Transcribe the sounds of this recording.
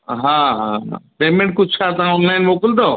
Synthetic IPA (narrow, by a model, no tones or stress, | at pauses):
ɦãɦãã̰peːmẽɳʈ̚kʊd͡ʒt͡ʃʰat̪ɐãɔnlaɪnmoːkəld̪oː